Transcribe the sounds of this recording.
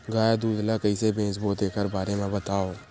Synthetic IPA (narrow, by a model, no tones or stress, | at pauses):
ɡaːad̪uːd̪lakəisebẽːsboːd̪eːkəɾbaːɾemẽbət̪aːoː